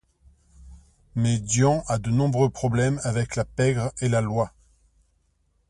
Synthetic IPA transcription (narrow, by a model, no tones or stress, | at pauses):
mɛd̪jɑ̃ʔad̪ənɔ̃bʁøpχɔblɛmavɛklapɛɡʁelalwa